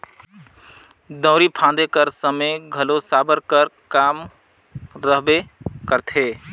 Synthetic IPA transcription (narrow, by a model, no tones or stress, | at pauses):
d̪ə̃ʊɾipʰãd̪ekəɾsəmeɡʱəlosabəɾkəɾkam | ɾəɦbekəɾt̪ʰe